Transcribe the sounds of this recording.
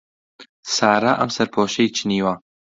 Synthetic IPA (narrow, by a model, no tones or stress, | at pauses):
saːɾaʔɐ̰msɐɾpʰoːʃejt͡ʃʰɨniːwɐ